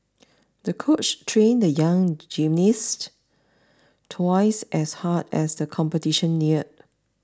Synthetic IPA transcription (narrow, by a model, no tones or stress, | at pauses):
dəkʰot͡ʃtʰɹẽndəjãŋd͡ʒĩmnis | tʰwaɪsʔɛshadɛsdəkʰɔ̃mpətiʃə̃nːiət̚